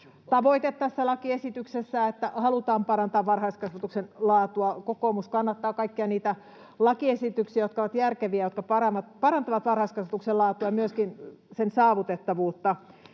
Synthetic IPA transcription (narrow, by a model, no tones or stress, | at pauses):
t̪ɑʋoit̪et̪t̪æsːælɑkiesit̪yksesːæet̪ːæhɑlut̪ɑːmpɑɾɑnt̪ɑːʋʋɑrhɑiskɑsʋɑt̪uksenlɑːt̪uɑkokoːmuskɑnːɑt̪ːɑːkɑikːiɑniːt̪æ | lɑkiesit̪yksiæjot̪̚kɑoʋɑt̪jærkeʋiæjot̪̚kɑpɑɾɑʋɑt̪pɑɾɑnt̪ɑʋɑt̪ʋɑrhɑiskɑsʋɑt̪ukselɑːt̪uɑmyøskinsensɑːʋut̪et̪ːɑʋuːt̪ːɑ